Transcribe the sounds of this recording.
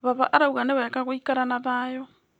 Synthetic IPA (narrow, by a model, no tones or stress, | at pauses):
βaβa̰ʔɾauɣaneβaekaɣwikaɾanaβajɔ